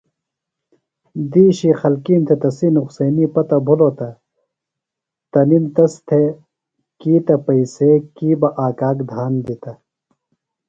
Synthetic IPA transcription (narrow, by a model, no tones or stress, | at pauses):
d̪iːɕixɐlkiːnt̪ʰet̪ɐsinuqsɐːnipɐt̪ɐbʱuloːt̪ɐ | t̪ɐnint̪ɐst̪ʰe | kiːt̪ɐpɐiseːkiːbɐʔaːkaːkd̪ʱaːnd̪it̪ɐ